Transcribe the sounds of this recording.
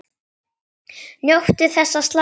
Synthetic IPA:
njowht̪ɪθɛsːast̪la

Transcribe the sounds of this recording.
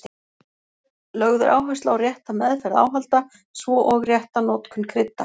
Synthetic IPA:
lœɣðʏ̰ɾʔa̰ːwɦḁst̪aawrjɛht̪amɛðfɛɾɪða̰ːwɦalt̪a | svɔʔɔɣrjɛht̪anɔt̪kʰʏnkʰɾɪt̪ːa

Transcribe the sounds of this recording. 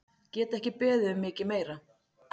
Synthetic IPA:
cɛːt̪ɛhcɪpɛːðʏʏmːɪːcɪmeːjɾa

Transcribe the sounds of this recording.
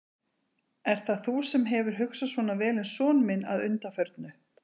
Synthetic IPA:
ɛɾ̥θaθusɛmɦɛvʏɾ̥ɦʏksasvɔːnavɛːlɛnsɔːnmɪna̰ðʏnt̪afœɾt̪nʏ

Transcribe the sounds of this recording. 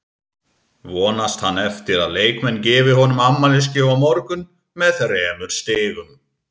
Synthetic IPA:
vɔːnast̪hanːɛft̪ɪɾaðleːjkmɛnːcɛːvɪhɔnʏmamːalɪs̬cɪvamɔɾkʏn | mɛðrɛːmʏɾ̥st̪ɪːɣʏm

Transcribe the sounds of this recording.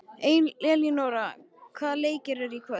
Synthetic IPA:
ejnlɛlinoːwɾa | kʰvaːðleːjcɪɾɛɾikʰva

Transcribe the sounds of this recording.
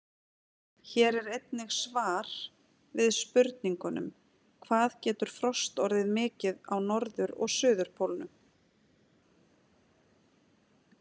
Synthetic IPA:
çɛːɾɛɾejt̪nɪɣsvaːɾ̥ | vɪðspʏɾt̪niŋkʏnʏ̰m | kʰvaːðcɛːt̪ʏɾ̥fɾɔst̪ɔɾðɪðmɪːcɪðawnɔɾðʏɾɔ̰ɣsʏːðʏɾ̥pʰowlnʏ

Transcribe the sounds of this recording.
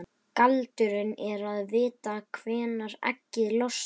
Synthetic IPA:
kalt̪ʏɾɪnɛɾaðvɪːt̪akʰvɛːnaɾɛ̰cːɪlɔs

